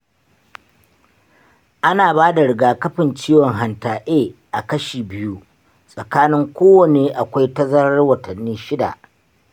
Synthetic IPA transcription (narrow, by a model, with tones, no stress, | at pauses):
ʔa˦naː˨baː˦da˨ɽɪ˨ɡaː˨kɐ˦ɸɪ˨nt͡ʃiː˦wɔ˨ŋɦa˨ntaː˨ʔeː˦˨ʔa˨kɐ˦ʃiː˨bɪ˦ju˦ | sʼɐ˨kaː˦nɪ˦ŋkʷoː˦wɐ˨neː˨ʔa˨kʷa˦jtɐ˦zɐ˦ɾɐ˦rwɐ˨tɐ˨nːiː˦ʃɪ˦da̰˨ʔ